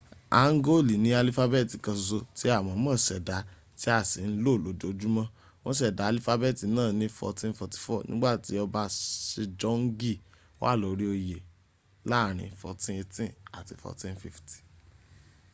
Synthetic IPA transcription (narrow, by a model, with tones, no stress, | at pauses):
a˨˦ŋ̩˦ɡo˦˨li˨nĩ˨˦a˧li˦fa˦be˦˨ti˨kã˧zo˧ti˦a˦˨wɔ̃˨˦mã˦˨ʃɛ˨da˨˦ | ti˦a˦˨si˨˦n̩˦lo˦˨lo˨˦d͡ʒo˨d͡ʒu˦mã˦ | w̃ɔ̃˦ʃ̬ɛ˦˨da˨˦a˧li˦fa˦be˦˨ti˨˦nãː˦˨nĩ˧fɔ̰˧tĩ˦n̩˦fɔ˧ti̥˨fɔ˦˨nḭ̃˦ɡ͡ba˦˨ti˨˦ɔ˧ba˧ʃe˧d͡ʒɔ˦ŋ˦ɡi˦˨ | o˦wa̰˦˨lo˨ɾi˦o˧je˨ | la˦˨ɾ̃ĩ˧fɔ̰˧tĩ˦e˧tĩ˦a˨ti˧fɔ̰˧tĩ˧˦fi˦fti̥˨